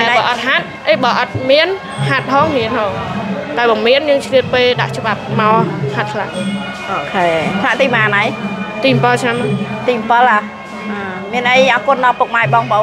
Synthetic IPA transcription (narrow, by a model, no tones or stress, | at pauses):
aɛɓɑːʔɑt̪̚ɦat̪̚ʔəjɓɑːʔɑt̪̚miən | hat̪̚hɔːŋhiənhɔːŋt̪aɛɓɑmiənjəːŋt͡ɕʰliət̪̚peːɗa̰ʔt͡ɕə̆ɓap̚maɔhat̪̚kʰla̰ʔ | ʔoːkʰeːt̪ʰlaʔt̪iːmaːnajt̪iːmpəlt͡ɕʰnamat̪iːmpəla | aː | miənʔəjʔaːkŏənɗɑpuk̚maɛjɓɑːŋɓo